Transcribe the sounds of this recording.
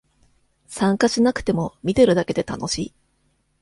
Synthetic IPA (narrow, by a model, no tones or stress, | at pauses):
sãŋkaɕinakɯ̥t̪e̞mo̞mʲit̪e̞ɾɯ̟d̪ake̞d̪e̞t̪ano̞ɕiː